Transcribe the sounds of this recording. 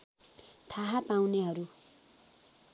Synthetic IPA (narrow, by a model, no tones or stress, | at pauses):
t̪ʰaɦapaw̃neɦʌɾu